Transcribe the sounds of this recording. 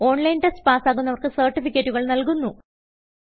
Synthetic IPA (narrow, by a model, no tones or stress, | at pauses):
o̞ːɳlɐjnʈɐspaːsaːɣunːɐʋɐrkɨsɐːrʈːifikʲːɐtːuɣɐɭnɐlkunːu